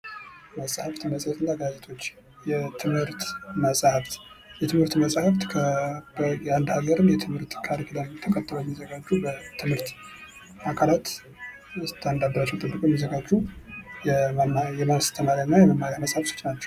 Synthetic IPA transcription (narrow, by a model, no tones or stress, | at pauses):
məsʼhəft̪ʰəməsʼhɛt̪ɨnːaɡad͡ʒʼet̪ʰo̞t͡ʃː | jɛt̪ʰɨmhɨɾt̪məsʼhəft̪ | jɛt̪ʰɨmhɨɾt̪məsʼhəft̪kʰəbəjand̪haɡəɾɨnjɛt̪ʰɨmhɨɾt̪kʰaɾikʰlamt̪ʰəkʰət̪ːɨlojɛmizəɡad͡ʒːubət̪ʰɨmhɨɾt̪ | akʰalat̪ | ɨt̪ʰand̪ab̪əɾat͡ʃːɛwt̪ʰɨbːɨkʼjɛmizːəɡad͡ʒːujɛmjɛmawst̪ʰəmaɾanːajɛməmːaɾjaməsʼhəfso̥t͡ʃːnat͡ʃːɛ̥w